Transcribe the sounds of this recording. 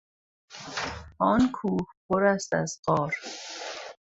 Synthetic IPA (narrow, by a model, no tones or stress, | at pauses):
ɒːnkʰuːhpʰoɾæst̪æzɢɒːɾ